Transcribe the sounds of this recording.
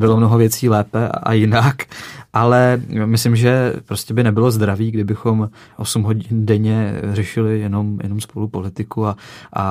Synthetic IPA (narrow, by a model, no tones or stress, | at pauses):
bɪlomnoɦo̞vjɛt͡siːlɛːpɛa̰ʔa̰jɪnakʔalɛmɪslɪmʒɛpɾo̞scɛbɪnɛbɪlo̞zd̪ɾaviːɡdɪbɪxo̞m | ʔo̞sumɦo̞ɟɪndɛɲɛrɛʃɪlɪjɛno̞mjɛ̰nomspo̞lupo̞lɪt̪ɪkuaʔa